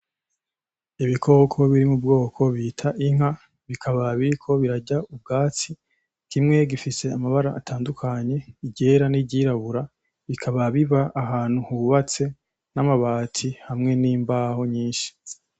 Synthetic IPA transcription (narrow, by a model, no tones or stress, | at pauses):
iβikʰo̞kʰo̞βiɾimubɡo̞ːkʰo̞βitʰaʔiŋ̥a | βikʰaβaβiɾikʰo̞βiɾaɟaub̚ɡaːt͡si | kimŋe̞ɡifise̞amaβaɾaʔːtʰaːndukʰaɲe̞iɟe̞ɾaniɟiɾaβuɾa | βikʰaβaβiβaʔːɦaːn̥huhuβat͡se̞ | namaβaːtʰihamŋe̞niːmbaho̞ɲiːnʃi̥